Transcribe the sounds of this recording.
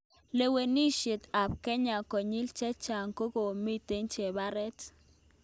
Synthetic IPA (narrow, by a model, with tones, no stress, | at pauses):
le˨we˨ni˦ʃe˨t̪a˨p̚ke˦ɲa˨ko˨ɲi˦lt͡ʃɛ˦t͡ʃa˨ŋko˦ko˨mi˦t̪e˦nt͡ʃe˨ba˦ɾɛ˦t̪